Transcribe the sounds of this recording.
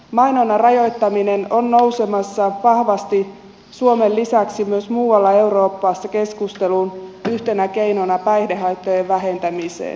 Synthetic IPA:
mɑinonɑrɑjojt̪ːɑminenonːo̞use̞mɑsːɑʋɑhʋɑst̪i | suomelːisæksimyøsmuːwɑlːɑe̞uro̞ːpːɑːsːɑke̞skust̪e̞lunyht̪e̞næke̞jnonɑpæjhdeɦɑjt̪ːojeʋʋæɦe̞nt̪æmisḛːn

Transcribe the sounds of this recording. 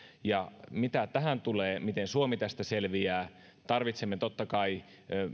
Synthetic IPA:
jɑmit̪æt̪æɦænt̪uleːmit̪ensuomit̪æst̪æselʋiæː | t̪ɑrʋit̪semːet̪ot̪ːɑkɑi

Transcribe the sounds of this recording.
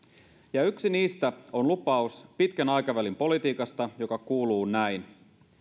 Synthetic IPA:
jɑyksiniːst̪æo̞nlupɑuspit̪kænɑjkɑʋælimpo̞lit̪iːkɑst̪ɑjo̞kɑkuːluːnæjn

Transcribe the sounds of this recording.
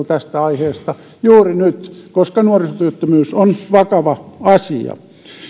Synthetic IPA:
t̪æst̪æɑiheːst̪ɑ | juːrinyt̪koskɑnuorisot̪yøt̪ːømyːsonʋɑkɑʋɑɑsiɑ̰

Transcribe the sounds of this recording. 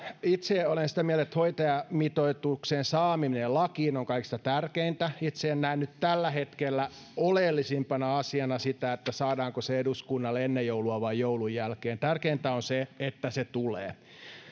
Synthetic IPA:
it̪seolensi̥t̪æmiælet̪hoit̪ɑjɑmit̪oit̪ukseːnsɑːmiminellɑkiːnoŋkɑiksi̥t̪æt̪ærkeint̪æit̪seːnnæinːyt̪t̪ælːæhet̪kelːæ | olelːisimpɑnɑɑsiɑnɑsit̪æet̪ːæsɑːdɑːŋkoseeduskunːɑlenːejjouluɑʋɑijjoulujjælkeːnt̪ærkeint̪æonseet̪ːæset̪ulḛː

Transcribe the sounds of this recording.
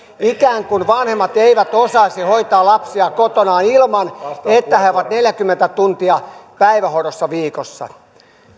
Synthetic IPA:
ikæːŋkunʋɑnhemːɑt̪eiʋæt̪osɑisihoit̪ɑːlɑpsiɑkot̪onɑːnilmɑnet̪ːæheoʋɑt̪neljækymːent̪æt̪unt̪iɑpæiʋæhorosːɑʋiːkosːɑ̰

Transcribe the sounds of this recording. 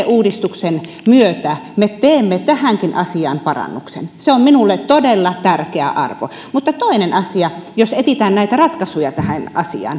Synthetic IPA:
eʔuːdist̪uksen | myøt̪æmet̪eːmːet̪æhæŋkinʔɑsiɑ̰ːnpɑrɑ̰nːuksḛnseomminulːet̪t̪odelːɑt̪ærkeæ̰ʔɑ̰rʋo̰ | mut̪ːɑt̪oinenɑsiɑjoset̪it̪æːnnæˑit̪ærɑt̪kɑsujɑt̪æhænʔɑsḭɑ̰ːn

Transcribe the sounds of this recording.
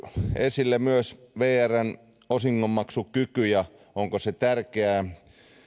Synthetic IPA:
esilːemyøsʋeːæræn | osiŋːommɑksukykyjɑ | oŋkoset̪ærkeæ

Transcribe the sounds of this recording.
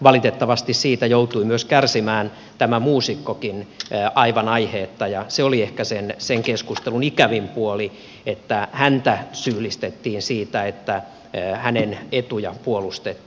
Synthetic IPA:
ʋɑlit̪et̪ːɑʋɑst̪issiːt̪æjout̪uimyøskærsimæːn | t̪æmæmuːsikːokinːɑiʋɑnɑiheːt̪ːɑjɑseoliehkæsenseŋkeskust̪elunikæʋimpuoli | et̪ːæhænt̪æsyːlist̪et̪ːiːnsiːt̪æet̪ːæ | hænenet̪ujɑpuolust̪et̪ː

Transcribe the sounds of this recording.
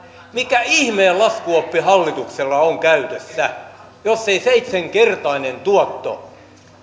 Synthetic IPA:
mikæihmeːllɑskuopːihɑlːit̪ukselːɑoŋkæyt̪esːæ | josːeiseit̪seŋkert̪ɑinent̪uɔt̪ːo̰

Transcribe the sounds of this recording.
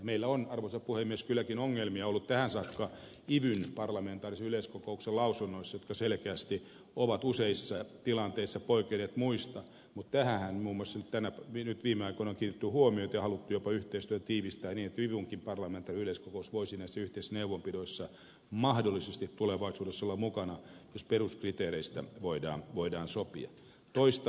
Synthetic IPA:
jɑmeilːæonɑrʋoisɑpuhemieskylːˑækinoŋːelmiɑolːut̪t̪æhænsɑːkːɑ | iʋynpɑrlɑment̪ɑːriseyleiskokoukselɑusunːoisːɑjot̪kɑselkeæst̪i | oʋɑt̪useisːɑt̪ilɑnt̪eisːɑpoikeneːt̪muist̪ɑ | mut̪t̪æhæhænmuːmːosːɑnyt̪t̪ænæʋnyt̪ʋiːmeɑikoinɑkiːrjet̪ːyhuomiot̪jɑhɑlut̪ːujopɑyht̪eist̪yøt̪æt̪iːʋist̪æːniːnet̪ʋiʋuŋkimpɑrlɑment̪ɑriyleiskokousʋoisinːæisːæyht̪eisːæneuʋompidoisːɑ | mɑhdolːisest̪it̪t̪uleʋɑisuːdesːɑolːɑmukɑnɑjosperuskrit̪eːɾeist̪æ̰ʋoidɑ̰ːnʋoidɑːnsopḭɑ̰ | t̪oist̪ɑ

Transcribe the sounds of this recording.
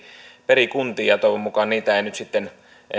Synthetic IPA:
perikunt̪iːɑt̪oˑʋummukɑnniːt̪æeˑinyt̪sit̪ːen

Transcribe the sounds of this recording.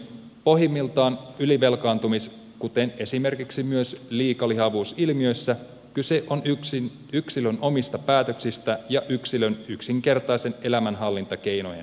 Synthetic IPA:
po̞ɦimːilt̪ɑːnyliʋe̞lkɑːnt̪umis | kut̪ene̞sime̞rkiksimyøsliːkɑliɦɑʋuːsilmiø̞jsːæ | kyse̞ʔo̞ni | yksilønʔo̞mist̪ɑpæːt̪ø̞ksist̪æjɑʔyksilønyksiŋke̞rt̪ɑjse̞ne̞læmænɦɑlːint̪ɑke̞jno̞̰jḛ

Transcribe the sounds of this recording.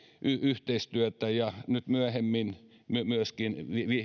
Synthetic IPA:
ʔyyht̪eist̪yøt̪æjɑnyt̪myæhemːin | mymyøskinʋiʋi

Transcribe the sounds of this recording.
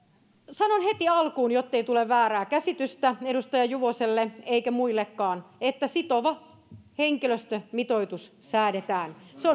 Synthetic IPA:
sɑnonhet̪iɑlkuːnjot̪ːeit̪uleʋʋæːɾæːkæsit̪yst̪æedust̪ɑjɑjuʋoselːeeikæmuilːekːɑːnet̪ːæsit̪oʋɑ | heŋkiløst̪ømit̪oit̪ussæːdet̪æːnseo

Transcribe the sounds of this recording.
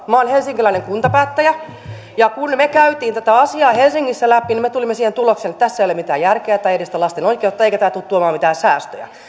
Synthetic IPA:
mɑonhelsiŋkilæineŋkunt̪ɑpæːt̪ːæjæ | jɑkunmekæyt̪iːnt̪æt̪æɑsiɑːhelsiŋːisːælæpːinimet̪ulimːesiːhent̪ulokseːnet̪t̪æsːæeijolemit̪æːjærkeæt̪ɑijedist̪ælɑst̪enoikˑeut̪ːɑeikæt̪æːt̪ut̪tuomɑːmit̪æːsæːst̪ø̰jæ̰

